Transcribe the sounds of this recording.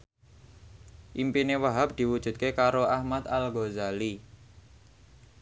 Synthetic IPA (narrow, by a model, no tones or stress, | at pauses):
ʔimpinewaɦap̚d̪̥i̤wud̥ʒ̥ṳt̪̚kekaɾoahmat̪alɡozali